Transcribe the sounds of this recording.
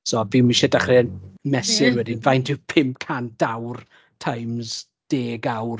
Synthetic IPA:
sɔːvimiʃɛdaχrɛənmɛsɪrwɛdɪnvajndɪpʰɪmpkʰand̥awr | tʰajmz̥ | d̥eːɡawr

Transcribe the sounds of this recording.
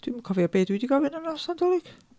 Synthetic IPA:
t̪ymkʰɑʋiɑpeːt̪yˑt̪ikɑʋinɑnɑst̪ːɑnt̪olik

